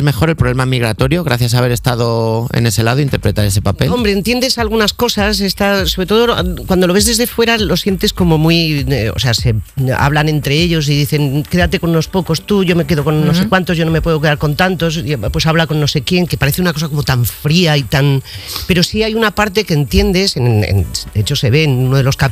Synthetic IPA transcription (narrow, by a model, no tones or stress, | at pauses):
zme̞xo̞ɾe̞lpɾoβlemamiɣɾa̰t̪o̞ɾjo̞ɣ̞ɾaθjas̬aβe̞ɾe̞st̪að̞o̞ḛne̞se̞laðoint̪e̞ɾpɾe̞t̪aɾe̞se̞papelo̞mbɾeːnt̪je̞nd̪e̞salɣ̞unasko̞sase̞st̪asːoβɾe̞t̪oðokwand̪o̞lo̞βe̞zðe̞zðe̞fwe̞ɾalo̞sje̞nt̪e̞sko̞mo̞mwio̰se̞ase̞a̰βlanẽ̞nt̪ɾe̞e̞ʎo̞s̬iðiθe̞ŋke̞ðat̪e̞konuno̞spo̞ko̞st̪uʝo̞me̞ke̞ðo̞ko̞nːos̬ekwant̪oʝonome̞pwe̞ð̞o̞k̬eaɾko̞nt̪ant̪o̞spwe̞saβlako̞nːo̞se̞kje̞ŋkepaɾeθeunako̞sako̞mo̞t̪aɱfɾiait̪anpe̞ɾo̞siajunapaɾt̪e̞keːnt̪je̞nd̪e̞sennḛnd̪eet͡ʃo̞se̞βe̞ːnunoðe̞lo̞ska